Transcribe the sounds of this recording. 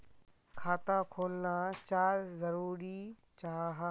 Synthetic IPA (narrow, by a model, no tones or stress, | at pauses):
kʰaːt̪akʰoːlnat͡ʃaːɾzɐɾuːɾi | t͡ʃaːɦaː